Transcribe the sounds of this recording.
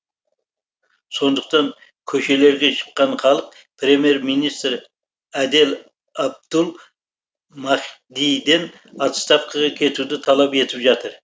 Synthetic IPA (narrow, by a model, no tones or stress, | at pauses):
so̞nd̪əq̚t̪ɑŋ | kʲʰɵʃe̞le̞ɾɡʲe̞ʃʰə̥qːɑɴχɑlˠəq̚ | pʰɾe̞mije̞ɾmijnijst̪ɾ | æd̪el | ɑb̚d̪̥ʊlˠ | mɑχd̪ijd̪e̞n | ɑt̪st̪ɑfqʰɑʁɑkʲʰe̞t̪ud̪ɪt̪ʰɑlˠɑpe̞t̪ɪpʒɑt̪əɾ